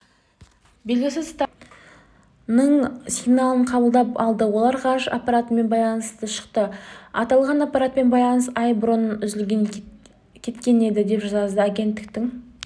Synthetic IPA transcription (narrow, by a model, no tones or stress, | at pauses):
be̞lɡʲɪsɪzst̪ | nəɴsiɡnalˠəɴqʰɑbəlˠd̪ɑpɑlˠd̪əwo̞lˠɑɾqʰɑɾʃɑpːɑɾat̪əme̞nbɑjlˠɑnəst̪əʃə̥qt̪əɑt̪ɑlˠʁɑnapːɑɾat̪̚pe̞nbɑjlˠɑnəsɑjbɾonənʏzɪlɡʲeŋ | kʲʰe̞t̪kʲe̞ne̞d̪ɪd̪e̞pʒɑzɑzd̪əaɡʲe̞nt̪ːɪk̚t̪ɪŋ